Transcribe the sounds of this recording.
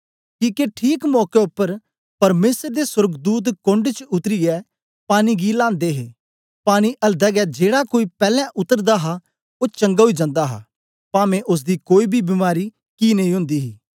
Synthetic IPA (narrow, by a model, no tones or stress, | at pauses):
kiːkeʈʰiːkmɔːkeʊpːəɾ | pɐɾmeːsəɾd̪eswʊɾɡd̪uːt̪kõɳɖt͡ʃʊt̪ɾiɛ | paːñiɡilãːnd̪eɦeː | paːɽ̃iʔɐld̪ɛːɡɛd͡ʒeːɽakoːipɛːlãʔʊt̪ːəɾd̪aɦa | ot͡ʃɐ̃ŋɡaɦʊid͡ʒãːnd̪aɦa̰ː | pãːmẽʔʊs̬d̪ikoːibʱibɪmaːɾi | kinẽɦĩɦʊ̃nd̪iːɦiː